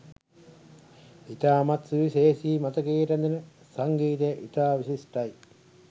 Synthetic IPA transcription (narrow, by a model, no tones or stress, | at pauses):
it̪aːmɐt̪suʋiseːsiːmɐt̪ɐkiːʈɐnd̪inə | sɐŋɡiːt̪̬ejʔit̪aːʋisisʈɐj